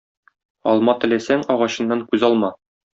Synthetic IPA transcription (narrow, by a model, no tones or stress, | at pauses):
ɒ̰lˠmɑt̪ɘ̆læsæŋɒʁɑɕɤ̆nːɑŋkʉzɒlˠmɑ